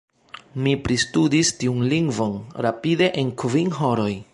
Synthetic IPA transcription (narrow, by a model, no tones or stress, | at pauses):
mipɾistudistiunliŋɡvo̞nɾapide̞ʔenkviŋɦo̞ɾo̞j